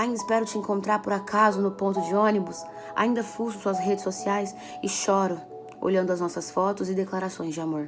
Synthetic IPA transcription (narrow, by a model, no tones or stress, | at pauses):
aĩnd̪ɪspɛɾʊt͡ʃɪẽŋkõnt̪ɾaɾpʊɾakʰazʊnʊpõnt̪ʊd͡ʒɪõnibʊs | a̰ĩnd̪ɐfuʃʊsuɐsɦed͡ʒɪsosiajs | ɪʃɔɾʊ | o̰ʎɐ̃nd̪ʊɐznɔsɐsfɔt̪ʊzɪd̪eklaɾasõj̃zd͡ʒɪamoɾ